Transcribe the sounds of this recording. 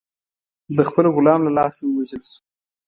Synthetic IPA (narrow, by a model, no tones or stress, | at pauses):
d̪əxpəloɣʊlɑmlalɑsawəwaʒəlsu̥